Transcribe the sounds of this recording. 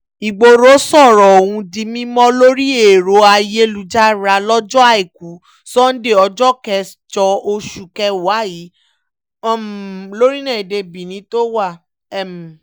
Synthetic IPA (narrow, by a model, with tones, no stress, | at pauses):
i˨ɡ͡bo˧ɾo˨˦sɔ˦˨ɾɔ˨o˨wũ˧di˧mĩ˦mɔ̃˦lo˦ɾi˦e˦˨ɾo˧a˧je˦lu˨d͡ʒa˦ɾa˧lɔ˦d͡ʒɔ˦a˧˨i˨ku˨˦ | sɔ˦n̩˦de˦˨ɔ˧d͡ʒɔ˦kɛ˧ | t͡ʃɔ˧o˧ʃu˨kɛ˧wa˨˦˨ji˨˦ | ɔ˨m˨lo˦ɾi˦nã˦˨i˨de˧bi˨nĩ˨˦to˦wa˦˨ | ɛ˦˨m˨